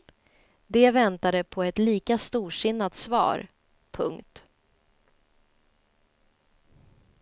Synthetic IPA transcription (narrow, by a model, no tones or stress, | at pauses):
d̪ɛvɛnt̪ad̪əpʰɔɛt̪liːkast̪uːʂɪnːat̪svɑ̰ːɾ | pʰɵ̰ŋkt̪